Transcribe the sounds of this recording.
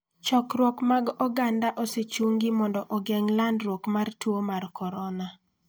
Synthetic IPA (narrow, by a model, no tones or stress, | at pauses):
t͡ʃɔkɾwɔkmaɡɔɡandaʔɔset͡ʃuŋɡimɔndɔʔɔɡɛŋlandɾwɔkmartwomarkɔɾɔna